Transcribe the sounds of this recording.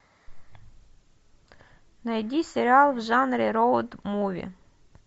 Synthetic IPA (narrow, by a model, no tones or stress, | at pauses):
nɐjdʲisʲeɾʲɪɑlˠwʒɑnɾʲiɾɔwʊd̪muʋʲḭ